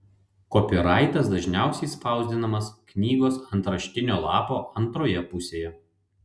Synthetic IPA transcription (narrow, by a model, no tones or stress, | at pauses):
kopʲɪɾɑɪt̪ɐsd̪ɐʒʲnʲæˑʊsʲɛɪspɑˑʊzʲd̪ʲɪnɐmɐsknʲiːɡoːsɐnt̪ɾɐʃʲt̪ʲɪnʲoːlˠɑːpoːʔɐnˑt̪ɾoːjɛpʊsʲeːjɛ